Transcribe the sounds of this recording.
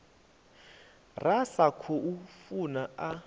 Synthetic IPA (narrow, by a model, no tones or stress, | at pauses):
rasakʰɔʔufunaa